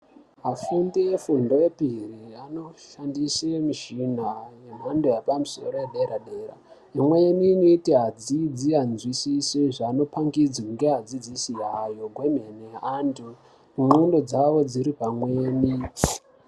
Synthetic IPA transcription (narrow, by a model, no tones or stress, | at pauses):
ɦafundijefundo̞epiriano̞ʃandisemiʃinajem̤andojepamuso̞̰ɾo̞jeɗeɾaɗe̞ːɾa̰ | emwe̞ninoitiɦad͡zid͡zianzwisiseʐaːno̞paŋɡid͡zakuŋɡeɦad͡zid͡zisiɦajo̞ɡʱwemeneandu | umundo̞d͡zaʋo̞d͡ziɾipamweːni